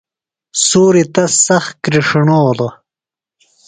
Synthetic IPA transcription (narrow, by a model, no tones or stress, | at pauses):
suːɾit̪ɐsɐxkɾiʂiɳoːlo